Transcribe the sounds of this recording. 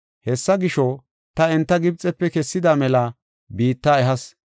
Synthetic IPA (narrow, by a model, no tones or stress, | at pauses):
hɛsːɐɡɪʃɔ | t̪ɐɛnt̪ːɐɡɪb̚t͡sʼɛpːɛkɛsːɪd̪aːmɛlɐ | biːt̪ːaːɛɦɐs